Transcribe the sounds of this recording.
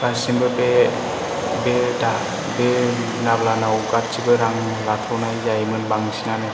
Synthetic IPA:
kasinbɯbe | beda | be | nablanawkaɾ̚t͡ʃibɯɾaŋ | latʰɔnajzajmɯnbaŋsinane

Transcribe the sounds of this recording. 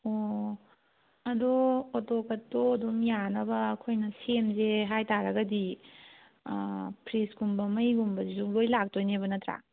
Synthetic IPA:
o | ɐdootokɐtːodomjanɐbɐːkʰojnɐsemzeɦajtaɾɐɡɐdi | pʰɾisɡumbɐmɐjɡumbɐzizuŋlojlak̚tojnebɐnɐtɾa̰

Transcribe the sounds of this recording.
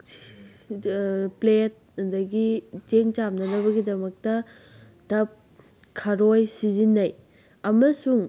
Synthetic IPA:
plet̚dɐɡid͡ʒeŋt͡ʃamnɐnɐβɐɡidɐmɐk̚tɐ | tɐp̚ | kʰɐɾojsizinːɐj | ɐmɐsuŋ

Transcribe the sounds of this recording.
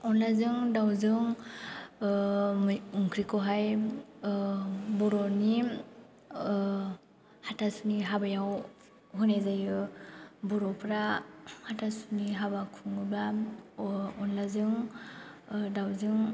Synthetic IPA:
ɔnlazɯŋdawzɯŋ | muŋkʰɾikɔwɦaj | bɔɾɔni | hatasuniɦabajaw | hunezajɯbɔɾɔpʰɾahatasuniɦabakʰuŋɯba | ɔnlazɯŋ | dawzɯŋ

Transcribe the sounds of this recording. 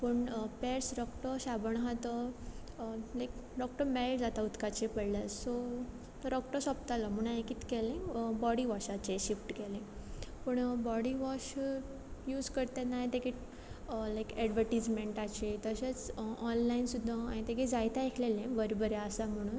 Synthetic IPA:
pəɳpɛɾsɖɔkʈəɕabəɳ̃ɦat̪ə | lajkɖɔk̚ʈəɾmɛld͡zat̪aut̪kat͡ɕepəɽlaso | t̪əɾɔkʈəsɔp̚t̪alɔm̤əɽ̃aekiːt̪kɛlẽbɔɽiʋɔɕat͡ɕeɕifʈkɛlẽpəɳbɔɽiʋɔɕ | juːd͡zkəɾt̪ẽnajt̪ekiʈ | lajkɛɖʋəɾʈid͡zmeɳʈat͡ɕet̪əɕet͡sɔnlainsud̪ʱːãĩt̪eked͡zajt̪aekʰlelẽbəɾbəɾeəsam̤əɽ̃uːn

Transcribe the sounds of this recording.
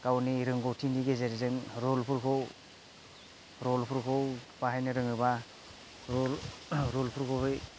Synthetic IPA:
kawniɾɯŋɡɔwtʰindiɡezeɾizɯŋɾɔlpʰuɾkʰɔw | ɾɔlpʰuɾkʰɔwpaɦajnɯɾɯŋɯba | ɾɔlɾɔlpʰuɾkʰowɦɯj

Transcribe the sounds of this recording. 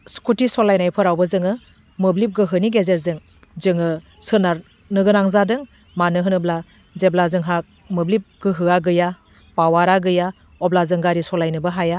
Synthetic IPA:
skutisɔlajnajpʰɯɾawbɯzɯŋɯ | mɯblip̚ɡɯɦɯniɡezeɾzɯŋ | zɯŋɯ | sɯnaɾ | nɯɡɯnaŋzadɯŋ | manɯɦɯnɯbla | zeblazɯŋɦak̚ | mɯblip̚ɡ̥ɯɦɯaɡɯja | pawaɾaɡɯja | ɔblazɯŋɡaɾisɔlajnɯbɯɦaja

